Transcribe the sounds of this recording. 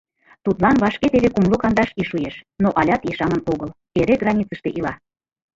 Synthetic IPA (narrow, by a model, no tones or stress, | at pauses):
t̪ut̪lɑnβɑʃket̪eβekumlokɑnd̪ɑʃiʃujeʃnoʔɑlʲɑt̪iʃɑmənoɣəl | eɾeɡrɑnʲit͡səʃt̪eʔilɑ